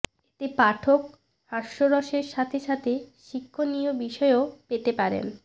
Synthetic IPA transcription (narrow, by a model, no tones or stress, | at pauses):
et̪epaʈʰok | haɾʃɾoɾɔʃeɾʃat̪ʰeʃat̪ʰeʃikʰːonijobiʃɔeopet̪epaɾḛn